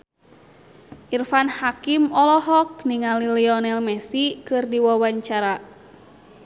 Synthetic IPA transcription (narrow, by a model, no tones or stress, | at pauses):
ʔirfanhakimɔlɔɦɔk̚niŋaliliɔnɛlmɛsikɨrdiwawaɲt͡ʃaɾa